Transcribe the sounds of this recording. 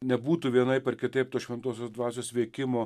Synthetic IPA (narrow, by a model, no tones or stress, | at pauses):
nʲɛbuːt̪ʊʋʲiɛnɐɪpʲɛrkʲɪt̪ɐɪpt̪oːʃʲʋʲɛnt̪oːsʲoːsd̪ʋɑːsʲoːsʋʲeːkʲɪmoː